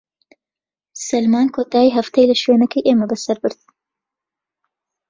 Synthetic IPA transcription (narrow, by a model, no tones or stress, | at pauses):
sɐlmaːnkʰoːt̪aːiɦɐft̪ʰɐjlɐʃweːnɐkʰɐjʔeːmɐbɐsɐɾbɨɾd̪̥̚